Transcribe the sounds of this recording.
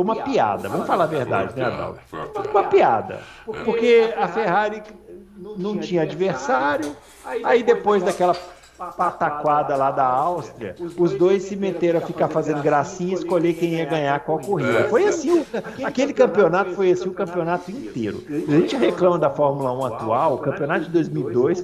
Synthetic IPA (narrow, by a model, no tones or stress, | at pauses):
ũmɐpia̰d̪ɐ̰vɐ̃mʊfalaveɾd̪a̰d͡ʒɪnɛad̪a̰wd͡ʒũmɐpia̰d̪ɐ̰ | poɾkeɐfeɦaɾi | nɐ̃w̃t͡ʃĩɲɐad͡ʒiveɾsaɾjʊ | aid̪epojzd̪akɛlɐ | pat̪akwad̪ɐlad̪ɐawst̪ɾiɐʊzd̪ojsːɪmet̪eɾ̃ɐfikaɾfazẽnd̪ʊɡɾasĩɲɐiskoʎekẽj̃iɐɡɐ̃ɲakwawkoɦid̪ɐfojasĩakelɪkɐ̃mpionat̪ʊ̥fojasĩʊkɐ̃mpionat̪ʊĩnt̪ḛɾʊ̰aʒẽnt͡ʃɪɦeklɐ̃mɐd̪ɐfɔɾmulɐũat̪uawʊkɐ̃mpiõnat̪ʊd͡ʒɪd̪ojzmiwid̪ojs